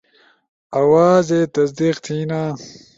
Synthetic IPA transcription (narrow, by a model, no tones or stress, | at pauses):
ɐwaːzet̪ɐsd̪iqt̪ʰiːnaː